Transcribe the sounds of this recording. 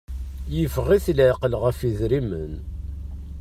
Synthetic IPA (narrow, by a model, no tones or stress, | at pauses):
jəvʁiθlʕqəlʁəfiðɾimə̰n